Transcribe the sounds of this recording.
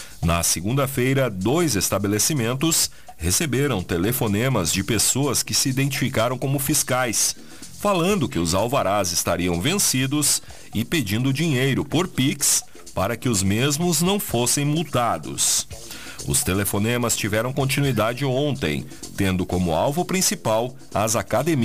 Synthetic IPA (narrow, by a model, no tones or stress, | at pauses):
nɐsɪɡũnd̪ɐfejɾɐd̪ojzest̪abelesimẽnt̪ʊs | hesebeɾɐ̃w̃t̪elefonẽmɐzd͡ʒɪpesoɐskɪsɪid̪ẽnt͡ʃifikaɾɐ̃w̃kõmʊfiskajs | falɐ̃nd̪ʊkɪʊzawvaɾazɪst̪aɾiɐ̃w̃vẽsid̪ʊs | ɪped͡ʒĩnd̪ʊd͡ʒiɲejɾʊpoɾpiks | paɾɐkɪʊzmezmʊznɐ̃w̃fosẽj̃muwt̪ad̪ʊ̰s | ʊ̰st̪elefonẽmɐst͡ʃivɛɾɐ̃w̃kõnt͡ʃinuid̪ad͡ʒɪõnt̪ḛ̃j̃ | t̪ẽnd̪ʊkõmʊ̰awvʊpɾĩsipaw | ɐzakad̪emi